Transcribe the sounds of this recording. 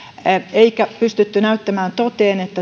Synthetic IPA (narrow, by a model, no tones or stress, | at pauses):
eikæpyst̪yt̪ːynæyt̪ːæmæːnt̪ot̪eːnet̪ːæ